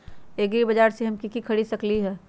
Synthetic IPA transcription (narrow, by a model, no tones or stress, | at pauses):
eːɡɾibɐd͡ʒaːɾseɦɐmkikikʰɐɽisɐkliɦɛː